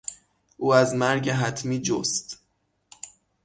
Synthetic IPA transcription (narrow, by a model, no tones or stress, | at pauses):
ʔuːæzmæɾɟeɦæt̪ʰmiːd͡ʒo̰st̪